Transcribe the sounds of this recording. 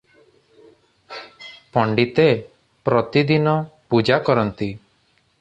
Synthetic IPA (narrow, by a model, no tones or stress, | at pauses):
pɔɳɖit̪e | pɾɔt̪id̪inɔpud͡ʒakɔɾɔnt̪i